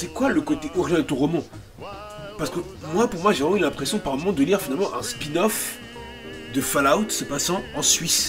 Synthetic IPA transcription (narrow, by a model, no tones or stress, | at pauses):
sɛkwaləkot̪eʔɔʁjɛ̃d̪ət̪ɔ̃ʁɔmɑ̃ | paʁsə̥kə | mwapuʁmwaʒẽylɛ̃pχesjɔ̃paʁmɔmɑ̃d̪əliʁfinalmɑ̃ʔɛ̃spinɔf | d̪əfalawt̪səpasɑ̃ɑ̃sɥis